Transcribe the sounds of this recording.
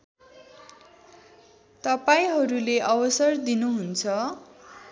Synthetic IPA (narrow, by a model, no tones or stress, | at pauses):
t̪ʌpaĩɦʌɾuleʔʌbʌsʌrd̪inuɦunt͡sʰʌ